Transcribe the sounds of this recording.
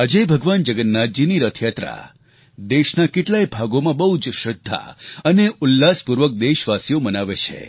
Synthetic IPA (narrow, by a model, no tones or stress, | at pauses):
ad͡ʒebʱəɡʋand͡ʒəɡənːad͡ʒiniɾət̪ʰjat̪ɾa̰ | d̪eʃnakeʈlaibʱaɡomãbəɦud͡ʒʃɾəd̪ʱːa̰əneʔʊlːaspuɾʋək̚d̪eʃʋasijomənaʋet͡ʃʰḛ